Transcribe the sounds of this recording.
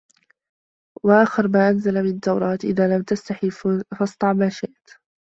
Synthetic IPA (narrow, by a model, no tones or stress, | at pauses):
waʔaːxɪɾmaːʔanzalamɪnat̪ːɑwɾˤɑːt̪ʔɪ̰ðaːlamt̪ast̪aħifɑst̪ˤɑʕmaːʃeʔt̪